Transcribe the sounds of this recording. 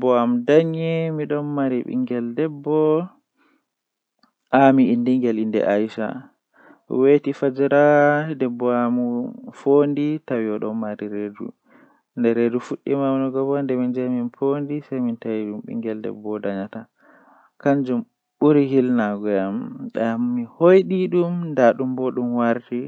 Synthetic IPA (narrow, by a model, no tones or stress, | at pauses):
bɔamdaɲɛmiɗɔnmaɾiɓḭŋɡɛldɛbːɔ | ʔamiːndiŋɡɛlindɛ̰ʔajʃa̰ | wetifad͡ʒɛɾadɛbːɔamufonditawiɔɗɔmmaɾiɾedṵ | ndɛɾedufuɗːimawnɔɡɔbɔndɛmind͡ʒamimfondisajmintawiɗumɓḭŋɡɛldɛ̰bɔdaɲata | kand͡ʒum | ɓuɾihilnaɡɔjamɗamːihojɗiɗumndaɗumbɔɗumwaɾti